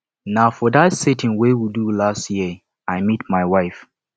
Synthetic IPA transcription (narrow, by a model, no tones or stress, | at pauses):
naʊfɔdatsetʰɪ̃nwewidulastjiə | aɪmit̚maɪwaɪf